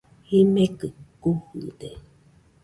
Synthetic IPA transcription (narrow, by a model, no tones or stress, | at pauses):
himekɯkuhud̪e